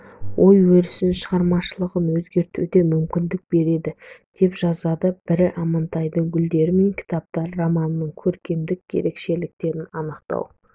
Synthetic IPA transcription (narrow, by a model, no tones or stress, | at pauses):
wʔo̞jwɵɾɪsɪnʃəʁɑɾmɑʃəlˠəʁənwɵzɡʲe̞ɾt̪ṵd̪e̞mʏmkʲɪnd̪ɪk̚be̞ɾe̞d̪ɪd̪̥e̞pʒ̥ɑzɑd̪əb̥ɪɾɪʔɑmɑnt̪ɑjd̪əŋɡʲʏld̪e̞ɾɪme̞ŋkʲʰɪ̥t̪ɑp̚t̪ɑɾːomɑnənəɴkʲʰɵɾkʲe̞md̪ɪkʲːʰe̞̰ɾe̞kʃe̞lɪk̚t̪e̞ɾɪnɑnəqt̪ɑ̰w